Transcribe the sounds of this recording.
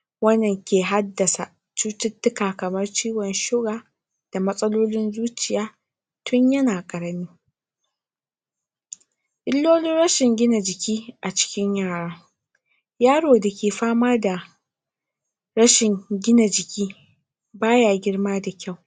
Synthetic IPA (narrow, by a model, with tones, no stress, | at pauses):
wɐ˦nːɐ˨ŋkʲeː˨ɦa˦dːɐ˨sa˨ | t͡ʃuː˦tɪ˦tːʊ˦kaː˨kɐ˨mɐ˦rt͡ʃiː˦wɔ˨nʃɪ˦ɡaː˨ | d̥a˨mɐ˦sʼɐ˦loː˦lɪ˦nzuː˦t͡ʃɪ˨jaː˦ | tʰʊ˦ɲjɐ˦naː˨kʼɐ˨ɽɐ˨miː˦ | ʔɪ˦lːoː˦lɪ˦nɽɐ˦ʃɪ˨ŋɡʲɪ˦na˨d͡ʒɪ˨kʲʰiː˦ʔa˨t͡ʃɪ̥˦kʲɪ˦ɲjaː˦˨ɽaː˦ | jaː˦ɽoː˨da˨kʲeː˨ɸaː˦maː˦da˨ | ɾɐ˦ʃɪ˨ŋɡʲɪ˦na˨d͡ʒɪ˨kʲiː˦ | baː˦jaː˨ɡʲɪ˦rmaː˦da˨kʲa˦˨w